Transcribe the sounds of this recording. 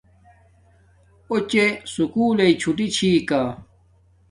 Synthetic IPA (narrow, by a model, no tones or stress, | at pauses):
ot͡ɕesukuːleit͡ɕʰuʈit͡ɕʰiːka